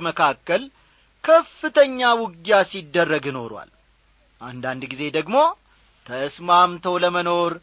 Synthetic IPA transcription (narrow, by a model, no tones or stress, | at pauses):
məkʰakːəl | kʰəfːɨt̪ʰəɲːawʊɡjasid̪ːərːəɡjɨno̞̰ɾwa̰l | ʔa̰nd̪and̪ɡize̞d̪əɡmo̞ | t̪ʰəsmamt̪ʰəwləməno̞ɾ